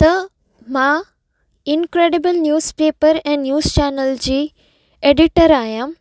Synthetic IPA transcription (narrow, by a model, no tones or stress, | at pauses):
t̪ɐ | mã | ɪnkɾeːɖɪbəlnjuːzpeːpəɾɛ̃ːnjuːzt͡ɕɛːnəld͡ʑiː | eːɖɪʈəɾaːɦjãː